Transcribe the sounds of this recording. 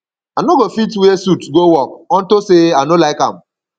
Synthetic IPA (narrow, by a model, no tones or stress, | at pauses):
anoɡofitwesutɡowɔk̚ɔn̩toseanolaɪka̰m̩